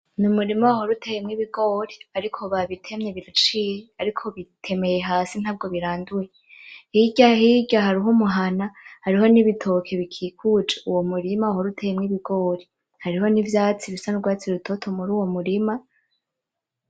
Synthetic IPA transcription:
numuɾimaaɦoɾutʰe̞jemŋiβiɡo̞ːɾiaɾikʰo̞βaβitʰe̞mɲe̞βiɾat͡ʃiːjeaɾikʰo̞βitʰe̞me̞je̞ɦaːsin̥haːb̚ɡo̞βiɾaːnduje | hiɟahiɟaɦaɾiɦomuɦanahaɾiɦo̞niβitʰo̞kʰeβikʰiːkʰud͡ʒeuwo̞muɾimaahoɾutʰejemŋiβiɡo̞ɾi | haɾiɦo̞nivjaːt͡siβisanuɡwaːt͡siɾutʰotʰomuɾuːwo̞muɾima

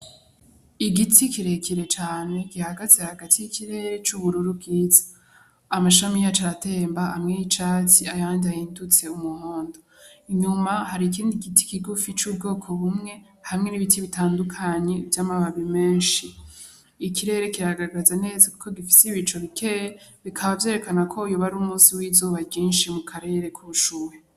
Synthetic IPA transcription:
iɡitʰikiɾe̞kiɾe̞t͡ʃaːne̞ɡihaɡazehaɡatijikʰiɾe̞ɾe̞t͡ʃuβuɾuɾub̚ɡiːzḁ | amaʃamijat͡ʃaɾate̞ːmbahamŋejit͡ʃaːtiajaːndiahiːndut͡se̞umuhoːndo | iɲumahaɾik̬iːndiɡitʰi̥kiɡufit͡ʃuːb̚ɡo̞ːkʰo̞βumŋe̞ | hamŋe̞niβitiβitaːndukʰaɲe̞vjaːmaβaβime̞ːnʃiː | kiɾe̞ɾe̞kiɾaɡaɾɡazane̞ːzaku̥ko̞ɡifi̥seiβit͡ʃo̞βikʰe̞jeβikʰaβavje̞ːɾe̞kanakʰo̞ujoβaɾumuːsiwiːzoβaɡɟiːnʃimukʰaɾe̞ɾe̞kʰuβuʃuːɾe

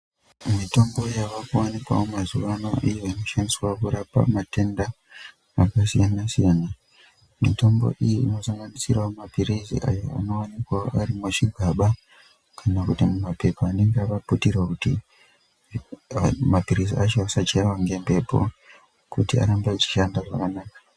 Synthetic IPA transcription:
mito̞mbo̞jaʋakuwanikwa̰omazuʋano̞̰ʔijoino̞ʃandiswaokuɾapa̰mate̞ndaː | kasijanasijana | mito̞mbo̰ʔijiino̞saŋɡanisiramapiɾizḭʔa̰jo̰a̰no̞wanikwaoʔaɾimoʂiɡʱaɓa | kʰanakutimumape̞paːne̞ŋɡeaʋaputirakuti | mapiɾiziat͡ʃoasat͡ʃewaŋɡe̞mbe̞pʰo̞̰ | kutia̰ɾambait͡ʃi̥ʃandaʐakanaːkḁ

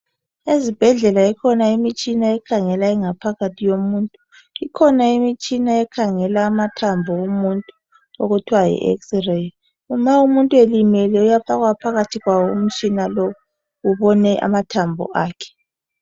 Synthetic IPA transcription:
ezib̥ʱɛɮɛlaɛkʰɔnaimit͡ʃʼinaɛkʰaŋɛlaɛŋapʰaɣatʰijomuːntʼu | ikʰɔnaimit͡ʃʼinaɛkʰaŋɛlaːmatʰambʱɔumuntʼu | oɣutʰwajḭʔɛ̰ksre | umaumuntʼuelimɛlɛujafaɣwapʰaɣatʰiɣwawɔṵm̩t͡ʃʼinalɔ | uβɔnɛʔa̰matʰambʱɔ̰ʔaːkʰɛ̥

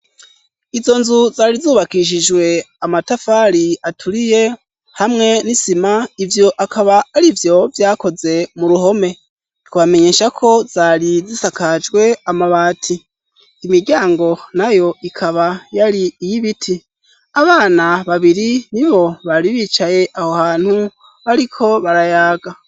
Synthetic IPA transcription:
izo̞nzuzaːɾizuːβakiʃ̬id͡ʒwe̞ | amatafaɾiatʰuɾije̞ | hamŋe̞nisimaivjo̞ʔakʰaβaːɾivjo̞vjaːko̞ze̞muɾuɦo̞me̞ | kuβame̞ɲe̞ːʃakʰo̞z̥aɾizisakad͡ʒɡwe̞amaβaːtʰiː | miɾɟaːŋɡo̞najo̞ikʰaβajaɾiːjiβitʰi | aβaːnaβaβiɾiniβo̞βaɾiβit͡ʃaje̞ʔahohaːn̥hu | βaɾikʰo̞βaɾajaːɡa

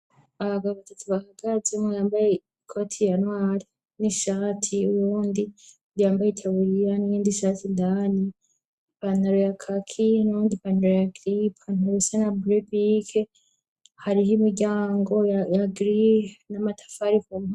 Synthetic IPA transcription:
aβaɡaββatatʰuβahaɡazemŋajaːmbaje | kʰo̞tʰijanwaːɾi | niʃatʰiuɾuːndi | jaːmbajetʰaβuɾijanijiːndiʃatʰindaːni | panaɾojakʰakʰinuɾuːndipanaɾojaɡɾipʰanuɾusanabuɾebikʰe | haɾiɦimiɾɟaːŋɡo̞ajaɡɾinamatʰḁfaɾifon

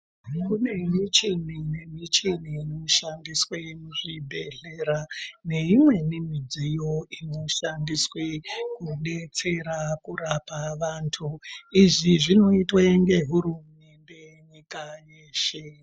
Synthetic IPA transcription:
kune̞mit͡ʃinine̞mit͡ʃiniːno̞ʃandiswemuʐibʱe̞ɮe̞ɾane̞imwe̞nemid͡zijo̞ino̞ʃandiswe̞kuɗe̞t͡se̞ɾakurapaʋantʰuiʐiʐino̞itweŋɡe̞ɦuɾumende̞ | ɲikajeːʃe̞

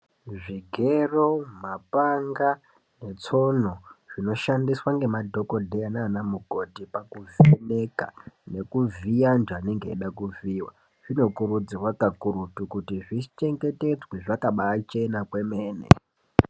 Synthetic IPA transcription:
ʐiɡʱe̞ro̞mapaŋɡa | ne̞t͡so̞noʐ̥ino̞ʃandiswaŋɡe̞madʱo̞ko̞dʱeanaːnamuɡʱo̞dʱipakuvineka̰ne̞kuviand͡ʒaːne̞ŋɡḛːɗakuviːwa̰ | ʐ̥ino̞kurud͡zirwakakuɾutukutiʐit͡ʃe̞ŋɡe̞te̞d͡zweʐakaɓaːt͡ʃe̞nakwe̞meːnḛ

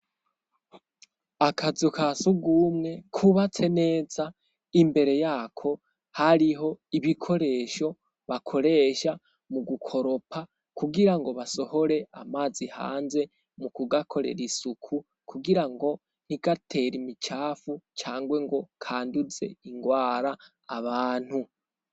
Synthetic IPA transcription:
akʰazukʰasuɡuːmŋe̞kʰuβat͡se̞ne̞ːza | imbe̞ɾe̞jaːkʰo̞ | haɾiɦo̞iβikʰo̞ɾe̞ːʃo̞ | βakʰo̞ɾe̞ːʃa | muɡukʰo̞ɾo̞pʰa | kuɡiɾaŋɡo̞βaso̞ho̞ɾe̞amaːziha̰ːnze̞ | mukuɡakʰo̞ɾe̞̰ɾisukʰu | kʰuɡiɾaŋɡo̞ | n̥iɡatʰe̞ɾimit͡ʃaːfut͡ʃaːŋɡwe̞ŋɡo̞kʰaːndut͡se̞̰iŋɡwaːɾaː | βaːn̥hu

